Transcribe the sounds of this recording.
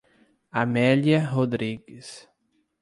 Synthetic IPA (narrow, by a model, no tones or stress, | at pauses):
amɛljɐɦod̪ɾiɡɪs